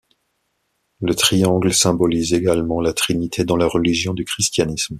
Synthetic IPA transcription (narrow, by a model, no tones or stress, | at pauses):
lət̪χijɑ̃ɡlsɛ̃bɔlizeɡalmɑ̃lat̪χinit̪ʰed̪ɑ̃laʁəliʒjɔ̃d̪ykχist̪janism